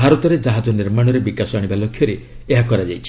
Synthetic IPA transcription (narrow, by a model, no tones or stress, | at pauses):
bʱaɾɔt̪ɔɾed͡ʒaɦad͡ʒɔniɾmaɽ̃ɔɾebikasɔaɽ̃ibalokʰjɔɾe | eɦakɔɾad͡ʒajt͡ʃʰi̥